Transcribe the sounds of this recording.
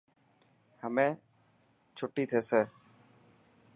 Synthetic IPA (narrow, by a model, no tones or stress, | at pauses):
həmẽ | t͡ʃʰoʈːit̪ʰeːseː